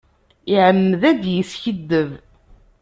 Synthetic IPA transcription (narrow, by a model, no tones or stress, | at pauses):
iʕəmːəðæd̪jəsçəd̪ːəv